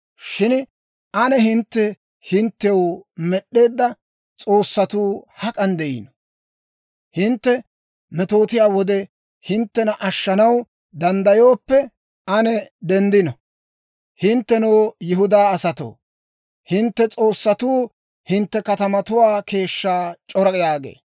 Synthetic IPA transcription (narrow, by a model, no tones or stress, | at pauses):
ʃɪn | ʔɐnɛɦɪnt̪ːɛ | hɪnt̪ːɛwmɛɗe̞ːd̪ːɐ | t͡sʼo̞ːsːɐt̪uːhɐkʼɐnd̪ɛʔɪ̰nɔ̥ | hɪnt̪ːɛ | mɛt̪o̞ːt̪ɪjaːwɔd̪ɛ | hɪnt̪ːɛnɐʔɐʃːɐnɐw | d̪ɐnd̪ɐjoːpːɛ | ɐnɛd̪ɛnd̪ɪnɔ | hɪnt̪ːɛnoːjɪɦʊd̪aːɐsɐt̪o̰ː | hɪnt̪ːɛt͡sʼo̞ːsːɐt̪uː | hɪnt̪ːɛkɐt̪ɐmɐt̪ʊwaːke̞ːʃːaːt͡ʃʼɔɾɐkʼjaːɡḛː